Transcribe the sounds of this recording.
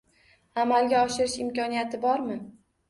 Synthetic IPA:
amalɡʲaɒʃɪɾɪʃɪmkʲɒnijat̪ʰɪbɒɾmɪ

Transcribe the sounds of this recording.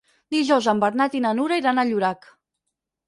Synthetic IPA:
d̪iʒɔwzambəɾnat̪inanuɾaiɾanaʎuɾak

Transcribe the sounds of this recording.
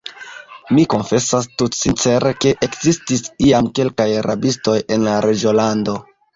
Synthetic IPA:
miko̞nfe̞sastutsint͡se̞ɾe̞ke̞ʔekz̥istisiamke̞lkajɾʔabisto̞je̞nlaɾʔed͡ʒolando̞

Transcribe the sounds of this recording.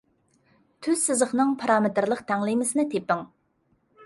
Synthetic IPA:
t̪ʰyz̥sɨzəχnɨŋpʰɑɾɑːmɪt̪ɾlˠəqt̪ʰɛŋlˠɨjmɪsɨnɨt̪ʰepːɪŋ

